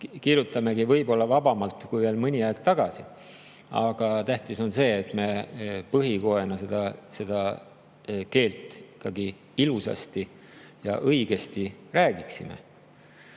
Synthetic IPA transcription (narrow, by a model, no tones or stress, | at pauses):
kirjut̪ːˑɑme̞ɡivɤ̞jbo̞lːɑvɑbɑmɑlt̪ˑːkujveːlmɯnʲiɑeɡ̥̚t̪ɑɡ̥ɑsi | ɑ̰ɡ̥ɑt̪æht̪iso̞nse̞ːt̪me̞pɤɦiko̞e̞nɑsed̪ɑse̞d̪̥ɑ | ke̞ːlt̪ˑikːˑɑɡi | ilusɑ̰st̪i | jɑ̰ʔɤjɡ̥e̞st̪iræːɡiksime̞̰